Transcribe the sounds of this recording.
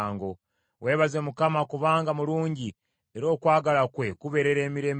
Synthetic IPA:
ŋɡo̞ | we̞ːβaze̞mukamakuβaːŋɡamuluːɲɟi | eɾo̞ːkwaːɡalakwe̞kuβe̞ɾe̞ɾe̞ːmiɾe̞ːm

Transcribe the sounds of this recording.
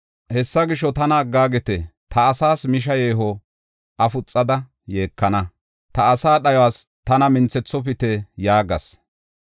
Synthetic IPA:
hɛsːɐɡɪʃːɔt̪ɐnɐːɡːaːɡɛt̪ɛt̪ʰɐːsaːsmɪʃ̬ɐjeːɦɔ | ʔɐfʊt͡sʼːɐd̪ɐ | je̞ːkːɐnɐ | t̪ɐːsaːɗɐjwaːs | t̪ɐnɐmɪnt͡sːɛt͡sːɔp̬ɪt̪ɛjaːɡɐ̰s

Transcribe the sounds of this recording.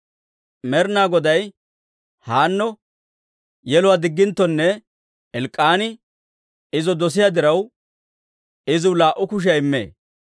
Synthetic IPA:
mɛɾnaːɡɔd̪ɐj | haːnːɔ | jɛlʊwad̪ɪɡːɪnt̪ːɔnːɛ | ɛlkʼːaːnɪ | ɪzɔd̪ɔs̬ɪjad̪ɪɾɐw | ɪzɪwlaːʔːʊkʊʃ̬ɐjɪmːḛː

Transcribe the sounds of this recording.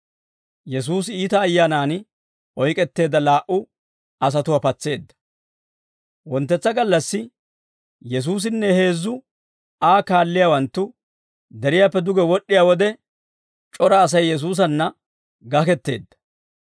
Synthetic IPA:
jɛs̬uːsiːt̪ɐːjːaːnaːn | ɔjkʼɛt̪ːe̞ːd̪ːɐlaːʔʊ | ɐs̬ɐt̪ʊwaːpɐt͡sːe̞ːd̪ːɐ̥ | wɔnt̪ːɛt͡sːɐɡɐlːɐsːɪ | jɛs̬uːs̬ɪnːɛhe̞ːzːʊ | aːkaːlːɪjaːwɐnt̪ːʊ | d̪ɛɾɪjaːpːɛd̪ʊɡɛwɔɗːɪjaːwɔd̪ɛ | t͡ʃʼɔɾɐːs̬ɐjːɛs̬uːs̬ɐnːɐ | ɡɐkɛt̪ːe̞̰ːd̪ːɐ̥

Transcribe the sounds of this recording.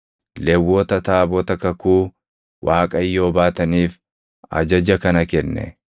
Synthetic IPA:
lɛwːɔt̪ɐt̪aːbɔt̪ɐkɐkuː | wʔaːkʼɐjːo̞ːbaːt̪ɐniːf | ɐ̰d͡ʒɐd͡ʒɐkɐnɐkɛnːɛ̰

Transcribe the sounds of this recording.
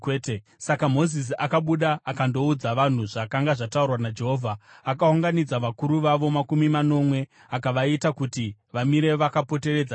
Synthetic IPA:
te | sakamo̞zis̬iakaɓuɗaakando̞ud͡zaʋan̤uʐakaŋɡaʐataurwanad͡ʒe̞ɦo̞ːvʱaːkauŋɡanid͡zaʋakuɾuʋaʋo̞makumimano̞mwe̞ | akaʋaitakuti | ʋamiɾe̞ʋakapo̞te̞re̞d͡za

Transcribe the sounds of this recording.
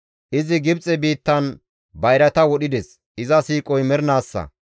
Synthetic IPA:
ʔɪzɪɡɪbt͡sʼɛbiːt̪ːɐn | bɐjɾɐt̪ɐwɔɗɪd̪ɛs | ɪzɐsiːkʼɔjmɛɾnaːsːɐ̰

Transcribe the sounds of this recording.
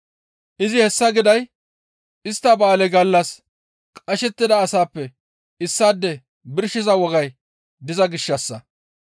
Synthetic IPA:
ʔɪzɪhɛsːɐɡɪd̪ɐj | ʔɪst̪ːɐbaːlɛɡɐlːɐs | kʼɐʃɛt̪ːɪd̪ɐːsaːpːɛ | ɪsːaːd̪ːɛ | bɪɾʃɪzɐwɔɡɐj | d̪ɪzɐɡɪʃːɐsːɐ

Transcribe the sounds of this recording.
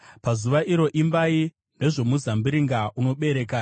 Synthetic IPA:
pazuʋaʔiɾo̞ʔimbai | ne̞ʐo̞muzambiɾiŋɡauno̞ɓe̞ɾe̞ːkaː

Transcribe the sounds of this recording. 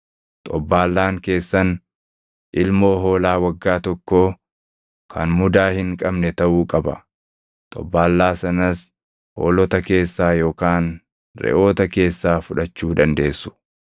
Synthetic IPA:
t̪ʼɔbːaːlːaːŋke̞ːsːɐn | ʔɪlmo̞ːɦo̞ːlaːwɐɡːaːt̪ɔkːoː | kʰɐ̰nmʊd̪aːhɪŋkʼɐbnɛt̪ɐʔuːkʼɐbɐ̰ | t̪ʼɔ̰bːaːlːaːsɐnɐs | ho̰ːlɔt̪ɐke̞ːsːaːjo̞ːkaːn | ɾɛ̰ʔo̞ːt̪ɐke̞ːsːaːfʊᶑɐt͡ʃːuːd̪ɐnd̪e̞ːsːʊ̥

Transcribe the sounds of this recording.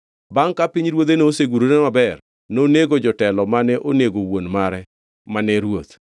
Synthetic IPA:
baŋkapiɲɾwot̪̬enoːseɡuɾonemabɛr | noneɡod͡ʒɔtɛlɔmanɛʔoneɡowonmaɾɛ | manɛɾwot̪

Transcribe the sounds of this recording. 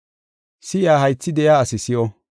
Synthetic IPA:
sɪjaːɦɐjt͡sːɪd̪ɛjaːsɪsɪjɔ

